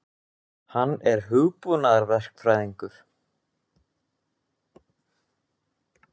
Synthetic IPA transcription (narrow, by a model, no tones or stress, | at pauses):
hanːɛɾɦʏɣpunaðaɾvɛr̥kfɾaːjðiŋkʏɾ̥